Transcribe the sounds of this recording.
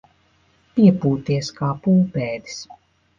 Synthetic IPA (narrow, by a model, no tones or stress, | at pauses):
piɛpuːt̪iɛskaːpuːpɛːd̪i̥s